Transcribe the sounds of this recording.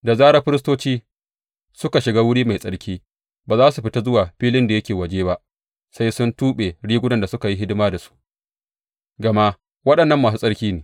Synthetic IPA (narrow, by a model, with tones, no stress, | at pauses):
da˨zaː˦ɽɐ˦ɸɪ˦ɾɪ˦s̬toː˦t͡ʃiː˦ | sʊ˦ka˨ʃɪ˨ɡaː˦wʊ˦ɽiː˦ma˨jsʼɐ˦ɽkʲiː˦ | baː˨zaː˦su˨ɸɪ˦ta˦zʊ˦waː˨ɸiː˦lɪ˦nda˨jɐ˦kʲeː˨wɐ˨d͡ʒeː˦ba˦ʔ | sa˦jsʊ˦ntuː˦ɓe˨ɽiː˦ɡʷʊ˦dɐ˨nda˨sʊ˦ka˨ji˦ɦɪ˦dɪ˦maː˦da˨su̥˦ʔ | ɡɐ˨ma˦ʔ | wɐ˦ɗɐ˨nːɐ˦mːaː˨s̬uː˦sʼɐ˦ɽkʲiː˦neː˨